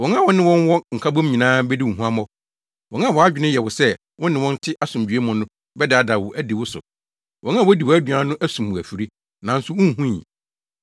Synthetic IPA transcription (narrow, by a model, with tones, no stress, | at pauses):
wɔ̃˨ŋ˦ã˦˨wɔ̃˦nɪ̃˦wɔ̃˦n˦wɔ˦ŋ̩˨kʰa˦bɔ̃˦m˦ɲĩ˨nãː˦bɛ˦di˦ʊ̃˨ɦũ˦a˦mɔ˦ | wɔ̃˨˦ã˦˨wɔ˨a˦d͡ʑᶣɪ˨nʊ̃˦jɛ˨wʊ˨sɛ˦ | wɔ̃˦nɪ̃˨wɔ̃˦n̩˦tʰɪ˦ʔa˦sʊ̃˨m˨d͡ʑᶣɥe˦mʊ̃˨nʊ̃˦ | bɛ˦dɪ˨a˨da˨wʊ˨ʔæ˦di˨wʊ˦sʊ̰˨ | wɔ̃˨˦nã˦˨wɔ˦di˨wɔ˨˦æ˦dɥã˦nʊ̃˦ʔæ˦sũ˨mwʊ̃˨æ˨fi˨ɾi˦ | nã˨n̩˦sʊ˦wʊ̃˦n˦ɦũ˦jḭ̃˨